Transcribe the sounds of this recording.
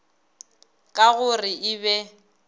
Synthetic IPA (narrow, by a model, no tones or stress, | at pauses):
kʼaɣʊrɪʔɪβɛ